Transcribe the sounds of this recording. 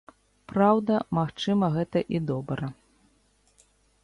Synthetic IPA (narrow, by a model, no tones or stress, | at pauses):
pɾawd̪ɐmaxt͡ʂɨmɐɣɛt̪ɐʔid̪ɔbɾɐ